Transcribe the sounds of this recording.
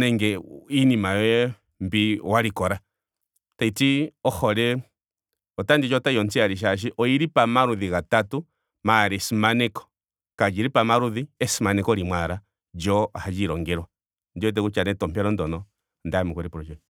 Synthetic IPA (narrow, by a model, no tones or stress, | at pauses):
nɛŋɡɛinimajɛ | mbiwaɾikɔɾa | taitiɔhɔɾɛ | ɔtandid͡ʒɔtajɔnt͡siaɾiʃ̬aʃ̬iʔɔiɾipamaɾuðiɣatatu | maɾisimanɛkɔ̥ | kad͡ʒiɾipamaɾuðiɛsimanɛkɔɾimwaɾa | d͡ʒɔahad͡ʒiɾɔŋɡɛɾwa | ndiɔt̬ɛkut͡ʃanɛtɔmpɛɾɔndɔnɔ | ndamɔkuɾipuɾɔd͡ʒɛ